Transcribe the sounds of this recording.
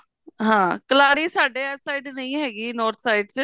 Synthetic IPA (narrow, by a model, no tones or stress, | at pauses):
ɦãːkəlaːɾiːsaːɖeːɛːsaːiɖnəĩːɦɛːɡiːnɔːɾt̪ʰsaːiɖt͡ʃ